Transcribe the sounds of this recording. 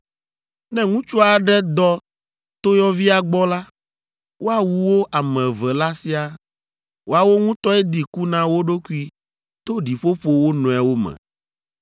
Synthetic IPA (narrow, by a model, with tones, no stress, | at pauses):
nɛ̃˦ŋũ˦t͡ʃu˦a˨ɖɛ˦d̪ɔ˦ | t̪o˦jɔ˦vi˦a˨ɡ͡bɔ˦la˦ | wo˦a˦˨wu˨wo˦ʔa˨mɛ̃˨vɛ˨la˦si˦a˨ | wʔo˦a˨wo˦ŋũ˦t̪ɔ˦ɛ˦d̪i˨ku˦nã˨wo˦ɖo˦ku˦i˦ | t̪o˦ɖi˨ɸo˦ɸo˦wo˦nɔ̃˨ɛ˨wo˦mɛ̰̃˨